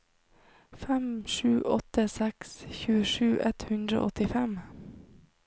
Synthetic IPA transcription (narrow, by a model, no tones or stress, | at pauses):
fɛmʃʉːʔɔt̪əsɛksçʉːəʃʉːʔɛt̪hʉnd̪ɾə̰ʔɔt̪ɪfɛm